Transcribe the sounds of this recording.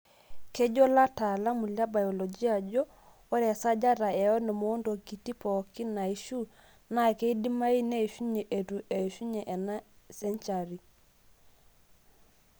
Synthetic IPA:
ke˦d͡ʒɔ˦la˦ta˨la˦mu˨lja˦ba˨jo˨lo˨d͡ʒi˦a˨d͡ʒɔ˦ | o˦ɾɛ˨sa˦d͡ʒa˦ɾa˨ɛ˨ɔ˦ne˨moː˦ndo˨ki˨ti˦pɔ˨ki˦na˨i˦ʃu˦ | na˦˨ke˦i˦di˦ma˦i˦ne˦˨ʃu˦ɲe˨ʔe˨tu˨ʔe˨ʃu˦ɲe˨ʔɛ˨na˦sɛ˦nt͡ʃa˨ɾi˨

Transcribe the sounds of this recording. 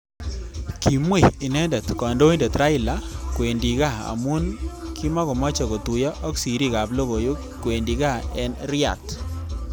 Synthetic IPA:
kʰi˨mwe˦˨ɪ˨nɛ˦ndɛ˨t̪kɔ˨ndo˦i˦ndɛ˨t̪ɾa˦ɪ˦la˨˦kwe˨ndi˨ɣa˦˨a̰˨mu˦nkʰi˦ma˦kɔ˨mɔ˦t͡ʃɔ˨ko˨tu˨jɔ˦ʔɔ˦ksi˨ɾi˦˨ka˨blo˦ɣo˨jo˦ | kwe˨ndi˨ɣa˦˨ɛ˦nɾɪ˦a̰˨t

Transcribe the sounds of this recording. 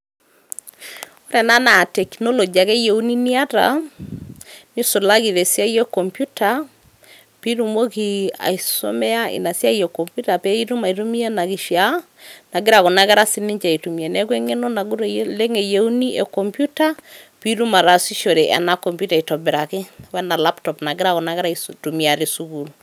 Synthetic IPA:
o˦ɾɛ˨na˦na˨tɛ˨kno˦lo˨d͡ʒi˨a˨kɛ˦je˨u˦ni˦ni˦a˦ta̰˨ | ni˦so˨la˦ki˨ðe˨sja˦jɛ˦ko˨mpju˦ta˨ | pi˦ɾu˨mo˦ki˨a̰˨i˨so̰˦mɛ˦a˦ʔɪ̰˨na˨sja˦ijɛ˨ko˨mpju˦ta˨pe˦i˦ɾu˦ma˨i˨ɾu˦mi˦a˦na˨ki˨ʃja˨˦ | na˨ɡɪ˦ɾa˨ko˨na˦kɛ˦ɾa˦si˦nɪ˦ɲt͡ʃa˨i˨tu˨mje˨nɛ˦k̬we˦ŋe˦no˦na˨ɡu˦ɾle˦ŋe˨je˨˦u˦ni˦ʔe˨kɔ˨mpju˦ta˦pi˦ɾu˦ma˨ɾa˨si˦ʃo˨ɾe˨ʔa̰˨na˦kɔ˨mpju˦ta˨i˨tɔ˨bɛ˨ɾa˨kɪ˦wɛ˦na˨la˦ptɔ˨pna˨ɡɪ˦ɾa˨kɔ˨na˦kɛ˦ɾa˦i˨tu˨mi˨a˨ɾi˨su˦ku˨l

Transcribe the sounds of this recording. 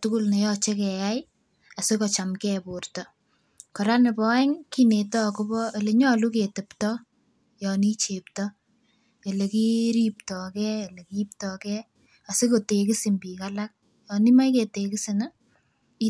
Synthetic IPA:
tuku˦lne˨jɔt͡ʃe˦kɛ˨ja˦j | a˨sɪ˦kɔt͡ʃamkɛpʊ˨rtɔ | kɔ˨ɾa˦ne˨pɔ˦ɛ˦ŋkine˨tɔ˦ko˦bɔ˦e˨le˨ɲɔ˦lu˦ke˨te˨ptɔ | jɔni˦t͡ʃe˨ptɔ | e˨le˨ki˦ɾi˦p̚tɔkɛ˦e˨le˨kiːp̚tɔkɛ | a˨sɪ˦ko˨te˨kɪ˦simbi˨kalak̚ | jɔni˦ma˦jke˨tekɪ˦si˨n | i˦

